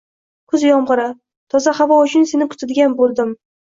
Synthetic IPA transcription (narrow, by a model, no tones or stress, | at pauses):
kʰɵzjɒmʁɨɾa | t̪ʰɒzahavɒʊt͡ʃʰʊnse̞nɪkʰʊ̥t̪ʰad̪ɪɡʲanbolˠd̪ɪm